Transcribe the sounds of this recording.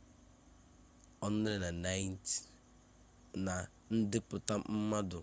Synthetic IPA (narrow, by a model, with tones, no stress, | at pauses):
ɔ˦n˦ɾɪ˨na˨na˦jn˦t | na˨ | n̩˦dɪ˦pʊ˨ta˦m˦m̩˦ma˦dʊ˨